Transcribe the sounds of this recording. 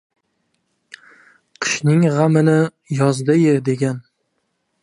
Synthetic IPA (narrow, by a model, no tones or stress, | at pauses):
qʰɨ̥ʃnɪŋʁamɪnɪ | jɒzd̪ajɪd̪e̞ɡʲan